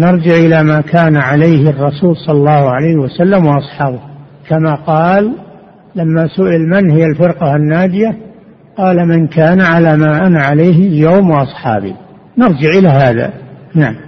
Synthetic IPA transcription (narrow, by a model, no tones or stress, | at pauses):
nɑɾˤd͡ʒɪʕʔɪlamakʰaːnaʕalajhrˤːɑsuːlsˤɑlɑlːɑːhʕalajhwasalːamwɑʔɑsˤħɑːbʊ | kʰamaqɑːlː | amːasʊʔɪlmɪnhɪjalfɪɾqɑhanːaːd̪ɪja | qɑːlamɪnkaːnʕalamaːʔanaʕalajɦljowmwɑʔɑsˤħɑ̰ːbḭ | nɑɾˤd͡ʒɪʕʔɪlaɦaːða̰naʕam